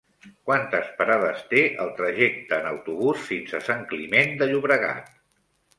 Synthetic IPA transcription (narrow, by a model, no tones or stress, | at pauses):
kwant̪əspəɾaðəst̪eʔəlˠt̪ɾəʒɛk̚t̪əːnəwt̪uβusfinzəsaŋklimend̪əʎuβɾəɣa̰t̪̚